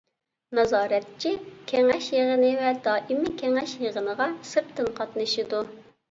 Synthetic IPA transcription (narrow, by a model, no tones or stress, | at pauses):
nɑzɑːɾɛt̪t͡ʃʰikʲʰɛŋɛʃjəʁənɨvɛd̪ɑːʔimɪkʲʰɛŋɛʃjəʁənəʁɑsɨɾt̪ʰɨnqʰɑt̪nɨʃid̪u